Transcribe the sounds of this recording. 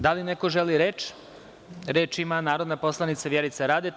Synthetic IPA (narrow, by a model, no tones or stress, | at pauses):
d̪alineko̞ʒeliɾeːt͡ʃ | ɾeːt͡ʃimanaːɾo̞d̪napo̞slˠanit̪saʋjeɾit̪saɾaːd̪e